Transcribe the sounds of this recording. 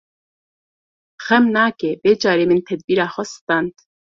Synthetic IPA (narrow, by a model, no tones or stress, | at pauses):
xɛmnaːkebeːd͡ʒɑːɾeːmɨnt̪ʰɛd̪̚biːɾaːxɔst̪ɑnt̪